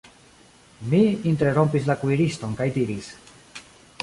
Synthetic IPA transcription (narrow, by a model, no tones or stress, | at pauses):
miinteɾo̞mpislakuiɾisto̞nkajdiɾis